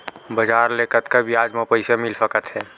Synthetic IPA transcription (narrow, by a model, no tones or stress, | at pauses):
bəd͡ʒaːɾleːkət̪kabʱiaːd͡ʒmẽpəɪsemɪlsəkət̪ɦɛː